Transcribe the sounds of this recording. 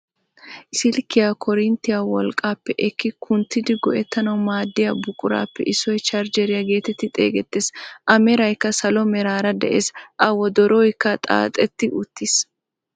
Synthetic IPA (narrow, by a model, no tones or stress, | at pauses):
ʔɪsɪlkːɪjakʰɔɾɪnt̪ːɪjawɔlkʼːaːpːɛʔɛkːɪkʰʊnt̪ːɪd̪ɪɡɔʔɛt̪ːɐnɐwmaːd̪ːɪjɐbʊkʼʊɾa̰ːpːɛʔɪsːɔjt͡ʃɐɾd͡ʒɛɾɪjɐɡe̞ːt̪ɛt̪ːɪt̪ʼḛːɡɛt̪ːeːsʔɐmɛɾɐjkːɐsɐlɔmɛɾaːɾɐd̪ɛʔeːsʔɐwɔd̪ɔɾɔːjkːɐt̪ʼa̰ːt̪ʼɛt̪ːɪʔʊt̪ːɪs